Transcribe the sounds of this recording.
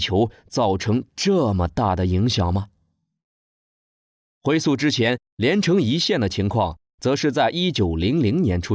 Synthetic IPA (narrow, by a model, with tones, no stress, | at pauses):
t͡ɕʰjo˧˥ʊt͡sɑ˥˩ʊʈ͡ʂʰɤ˧˥ŋʈ͡ʂɤ˥˩mə˩t̪a˥˩d̪ə˩i˧˥ŋɕjɑ˨˩ŋmə˦ | xwe˥ɪsu˥˩ʈ͡ʂɻ̩˥t͡ɕʰjɛ˧˥n | ljɛ˧˥nʈ͡ʂʰɤ˧˥ŋi˧˥ɕjɛ˥˩nd̪ə˩t͡ɕʰi˧˥ŋkʰwɑ˥˩ŋ | t͡sɤ˧˥ʂɻ̩˥˧t͡sa˥˩ɪʔi˥t͡ɕjo˨˩ʊli˧˥ŋli˧˥ŋnjɛ˧˥nʈ͡ʂʰu˥